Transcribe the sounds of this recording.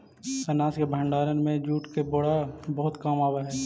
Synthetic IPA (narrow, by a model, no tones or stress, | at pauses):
t̪ənaːskebʱəɳɖaːɾənmẽd͡ʒuːʈkeboɽabəɦʊt̪kaːmaːbaɦɛː